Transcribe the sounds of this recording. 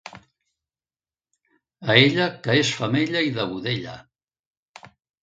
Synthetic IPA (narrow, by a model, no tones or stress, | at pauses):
əeʎəkəesfəmeʎɐiðəβuðeʎə̰